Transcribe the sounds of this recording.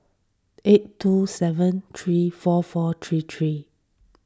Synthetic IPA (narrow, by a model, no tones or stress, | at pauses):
ʔetːusɛvə̃nt̪ʰɹifɔfɔt̪ʰɹit̪ʰɹi